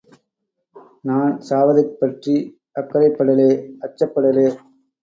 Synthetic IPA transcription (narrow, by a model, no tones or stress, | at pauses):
naːnsaːʋɐðɐɪpːɐʈri | ɐkːɐɾɐɪpːɐɽɐleːɐt͡ʃːɐpːɐɽɐleː